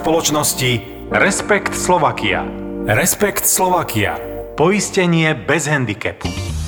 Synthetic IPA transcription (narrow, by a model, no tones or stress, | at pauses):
pɔlɔt͡ʃnɔsci | ɾɛspɛkt̪slɔʋakia̰ɾɛspɛkt̪slɔʋakia̰pɔiscɛɲɪɛbɛzɦɛnd̪ikɛ̰pu